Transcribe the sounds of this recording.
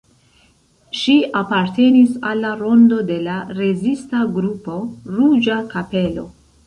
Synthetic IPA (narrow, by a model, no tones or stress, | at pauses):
ʃiapaɾte̞nisalːaɾo̞ndo̞de̞laɾe̞zistaɡɾupo̞ɾud͡ʒakape̞lo̞̰